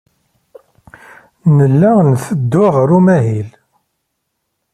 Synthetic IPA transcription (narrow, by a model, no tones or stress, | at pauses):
nəlːænθəd̪ːʊʁɾumæɦil